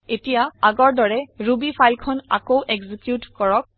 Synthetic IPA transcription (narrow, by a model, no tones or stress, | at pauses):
etijaaɡɔɹdɔɹɛɹubipʰajlkʰɔna̰kowʔɛɡzikjutkɔɹɔk̚